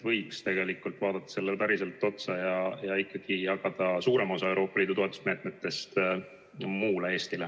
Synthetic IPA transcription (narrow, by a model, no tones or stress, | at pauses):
vɤjkst̪e̞ɡ̥e̞likːˑult̪ːˑvɑːd̪ɑt̪ːɑ̥se̞lːelpæɾise̞lt̪ːˑo̞t̪sɑjɑjɑikːɑɡ̥ijɑkɑd̪̥ɑsuːɾe̞mo̞sɑe̞wɾo̞ːpːˑɑliːd̪̥ut̪oet̪u̥sme̞ːt̪̚met̪ːe̞st̪ | muːlee̞ːst̪ile